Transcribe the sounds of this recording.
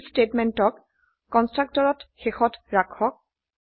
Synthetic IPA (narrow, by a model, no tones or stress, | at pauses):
stetmɛntɔkː | ɔnstɹak̚tɔɹɔtxexɔtɹakʰɔk̚